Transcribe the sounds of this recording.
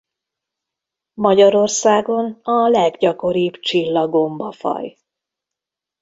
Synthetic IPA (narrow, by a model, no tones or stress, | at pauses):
mɒɟɒɾo̞rsaːɡo̞nɒlɛɡɟɒko̞ɾibt͡ʃilːɒɡo̞mbɒfɒ̰j